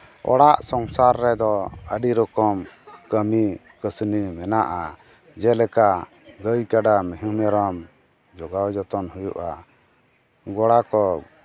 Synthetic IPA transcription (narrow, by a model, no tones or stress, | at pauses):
ɔ̰ɽaʔsɔŋsaɾːɛd̪ɔəɖiɾɔkɔmkəmi | kəsnimɛnaʔa | d͡ʒɛlɛka | ɡəjkaɖamiɦumɛɾɔm | d͡ʒɔɡawd͡ʒɔt̪ɔnɦujṵʔa̰ | ɡɔɽakɔ